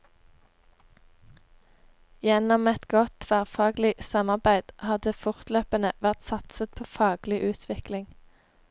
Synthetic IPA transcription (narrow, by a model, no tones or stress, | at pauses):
jɛnɔmɛt̪ɡɔt̪ʰʋæːʁfɑːɡlɪsɑmɑʁbæɪd̪̥ʔhɑːd̪eːfʊʁt̪løːpənəʋæʁt̪sɑt̪sət̪̚pʰoːfɑːɡ̥lɪʔʉːt̪ʰʋɪklɪŋ